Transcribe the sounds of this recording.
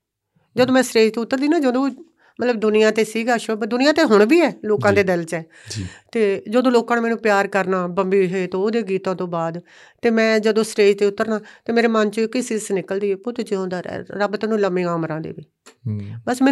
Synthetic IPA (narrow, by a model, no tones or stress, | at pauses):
d͡ʒəd̪õːmɛ̃ːsɾeːd͡ʒt̪eːʊt̪ːəɾd̪iːnãːd͡ʒəd̪õː | mət̪ləbd̪ʊnɪjãːt̪eːsiːɡaːʃobd̪ʊnɪjãːt̪eːɦʊɳ̃biːɛːloːkãːd̪eːd̪ɪlt͡ʃɛː | t̪eːd͡ʒəd̪õːloːkãːnːmɛːnũːpɪjaːɾkəɾnaːbəmbiːɦet̪õːod̪eːɡiːt̪ãːt̪õːbaːd̪ | t̪eːmɛ̃ːd͡ʒəd̪õːsɾeːd͡ʒt̪eːʊt̪ːəɾnaːt̪eːmeːɾeːmənt͡ʃoɪkɪsisnɪkəld̪iːpʊt̪t͡ʃeõːnd̪aːɾɛ̰ːɾəbt̪ẽːnũːləmẽːaːmɾãːd̪ḛːbiː | bəsmɛː